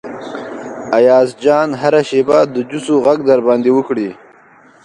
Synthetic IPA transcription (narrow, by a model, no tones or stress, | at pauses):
ajɑːzd͡ʒɑːnɦaɾaʃebad̪əd͡ʒusoɣaɡd̪aɾbɑːnd̪ewəkɽi